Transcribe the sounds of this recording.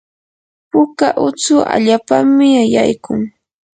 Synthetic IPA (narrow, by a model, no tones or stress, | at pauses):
pʊkaʔʊt͡sʊʔa̰ʎaːpammːɪajajkʊŋ